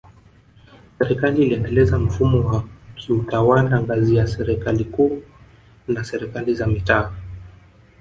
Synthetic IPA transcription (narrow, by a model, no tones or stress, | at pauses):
sɛɾɛkaliːliɛndɛlɛzam̩fumɔwakʰiutawalaŋɡazijasɛɾɛkalikuː | nasɛɾɛkalizamitaː